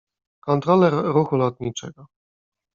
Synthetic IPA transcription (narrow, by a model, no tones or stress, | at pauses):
kɔnt̪ɾɔlɛɾɾuxulɔt̪ɲit͡ʂɛɡɔ